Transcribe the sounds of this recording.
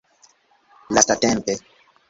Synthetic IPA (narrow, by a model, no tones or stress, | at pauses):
lastatɛmpɛ